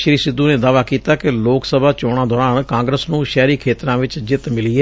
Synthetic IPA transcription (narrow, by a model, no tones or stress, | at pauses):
ʃəɾiːsɪd̪ːuːneːd̪aːʋaːkiːt̪aːkɪloːksəbaːt͡ʃɔːɽ̃aːd̪ɔːɾaːɳkãːŋɡɾəsnũːʃɛːɾiːkʰeːt̪ɾãːʋɪt͡ʃd͡ʒɪt̪mɪliːɛː